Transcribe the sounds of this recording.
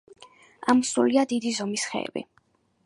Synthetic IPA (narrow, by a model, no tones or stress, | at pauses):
amɔsɾṵliad̪id̪izɔmisχɛ̰bḭ